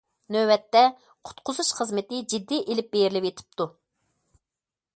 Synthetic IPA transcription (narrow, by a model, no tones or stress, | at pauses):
nøwɛt̪ːɛ | qʰʊ̥t̪qʰʊzuʃχəzmɨt̪ɪd͡ʒid̪ːiʔelɪp̚bejɾɪlɪpjet̪ʰɪ̥p̚t̪u